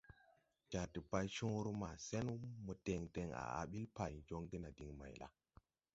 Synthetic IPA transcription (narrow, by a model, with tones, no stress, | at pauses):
d͡ʒa˨ɾti˨pa˦jʃũ˦ɾu˦ma˨se˦n˦mu˨te˨ŋde˨ŋa̰˨a̰˨ɓi˦lpa˨jd͡ʒo˦ŋɡi˦na˨di˨ŋma̰˨jla̰˦